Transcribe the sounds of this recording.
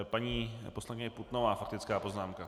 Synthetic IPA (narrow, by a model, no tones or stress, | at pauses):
paɲiːposlaɲɲɛɛput̪novaːfakt̪ɪt͡skaːpo̞znaːmka